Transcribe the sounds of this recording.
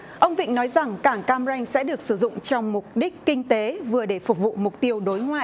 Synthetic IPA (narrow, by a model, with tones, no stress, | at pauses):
ʔə˧wŋ͡mvḭ˧˨ŋ̟nɔ˨˦jza˨˩ŋkaː˧˩ŋkaː˧mza˧jŋ̟sɛ̰˧˥ɗɨ˨˩ək̚sɨ˧˩zʊ̰˧˨ŋ͡mt͡ɕɔ˧wŋ͡mmʊ˨˩k͡p̚ɗi˦˥k̟kï˧ŋ̟t̪e˨˦vɨ˨˩əɗe˧˩fʊ˨˩k͡p̚vṵ˧˨mʊ˨˩k͡p̚t̪i˧əwɗo˨˦jŋwa̰ː˧˨j